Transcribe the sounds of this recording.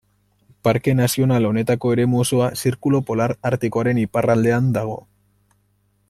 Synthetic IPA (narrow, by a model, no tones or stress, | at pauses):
paɾke̞nasio̞nalo̞ne̞t̪ako̞e̞ɾe̞muosoasiɾkulo̞po̞laɾaɾt̪iko̞aɾe̞niparald̪e̞and̪aɣ̞o̞